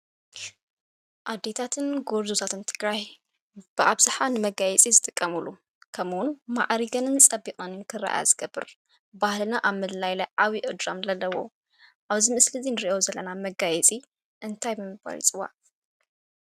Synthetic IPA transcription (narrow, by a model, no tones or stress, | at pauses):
ʔad̪ːe̞t̪ʰat̪ʰɨnɡoɾzut̪ʰat̪ʰɨnt̪ʰɨɡɾaj | b̥ɨʔaβzɨħanɨmɐɡajɛt͡sʼizɨt̪ʼɨkʼːɐmulu | kʰɐmwʊnma̰ʕɾiɡɐnɨnt͡sʼɐbikʼɐnɨnkʰɨrːa̰ʔa̰zɨɡ̥ɐbːɨ̰ɾ | bahlɨnaʔaβmɨllajlajʕaβiʔɨd̪ɾamlɐlːɐwo̰ | ʔaβzimɨslɨzinɨɾiʔozɐlːɐ̰namɐɡajɛt͡sʼi | ʔɨnt̪ʰajbɨmɨba̰lḭt͡sʼɨwa̰ʔ